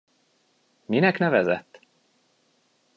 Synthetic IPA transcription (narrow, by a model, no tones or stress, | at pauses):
minɛknɛvɛzɛ̰t̪ː